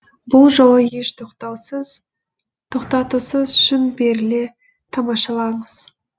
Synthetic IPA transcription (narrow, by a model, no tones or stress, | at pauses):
bʊlˠʒo̞w̪əje̞ʃt̪ʰoqt̪ɑwsəz | t̪ʰo̞qt̪ɑt̪usəzʏʃɪnbe̞ɾɪle | t̪ʰɑmɑʃɑlˠɑɴəz̥